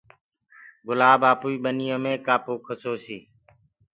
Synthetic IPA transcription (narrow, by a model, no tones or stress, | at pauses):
ɡʊlaːbaːpuːiːɓənɪjõːmẽːkaːpoːkʰəsoːsiː